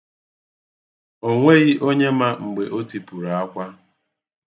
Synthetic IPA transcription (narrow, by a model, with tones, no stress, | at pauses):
o˨ŋʷe˦ɣi˦ʔo˦ɲe˦ma˦ŋ͡m̩˨ɡ͡be˨ʔo˦ti˨pu˨ɾa˨a˦kʷa˦